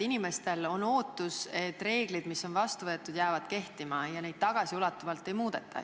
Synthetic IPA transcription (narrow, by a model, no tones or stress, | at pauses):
inime̞st̪e̞lo̞no̞ːt̪ːˑuse̞t̪ːˑre̞ːɡ̥lid̪̥misːo̞nvɑst̪uvɤ̞et̪ːˑud̪̥jæːvɑd̪̥ke̞ht̪imɑjɑne̞jd̪̥̚t̪ɑɡ̥ɑsiulɑt̪ːˑuvɑlt̪ːˑe̞jmuːd̪̥e̞̰t̪ʰːˑɑ̰